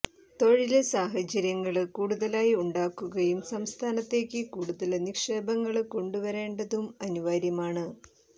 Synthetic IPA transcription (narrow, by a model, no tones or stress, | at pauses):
t̪o̞ɻilsaːɦɐt͡ɕːɐɾjɐŋːɐɭkuːɽuðɐlaːjiuɳɖaːkːuɣɐjumsɐmst̪ʰaːnɐt̪ːe̞ːkʲːɨkuːɽuðɐlnikʂe̞ːbɐŋːɐɭko̞ɳɖuʋɐɾe̞ːɳɖɐðumɐnuʋaːɾjɐmaːɳɨ